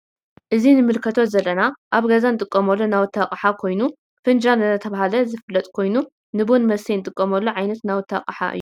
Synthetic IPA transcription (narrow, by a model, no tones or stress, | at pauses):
ʔɨzinɨmɨlkʰɐt̪ʰo̞t̪zɐlːɐnaʔaβɡɐzanɨt̪ʼɨkʼːɐmɐlːonawt̪ʰːakʼħakʰo̞jnu | fɨnd͡ʒanɨɐt̪ʰɐβahalɐzɨfɨlːɐt̪ʼkʰo̞jnu | nɨbonmɐsijnt̪ʼɨkʼːɐmɐlːoʕajnɐt̪nawʊt̪ʰːa̰qʼħa̰ʔɨ̰jːu